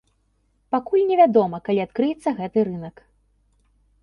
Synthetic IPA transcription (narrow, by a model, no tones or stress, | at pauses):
pakulʲnʲɛvʲad̪ɔmɐkalʲiat̪kɾɨjɛt̪sːɐɣɛt̪ɨɾɨnɐk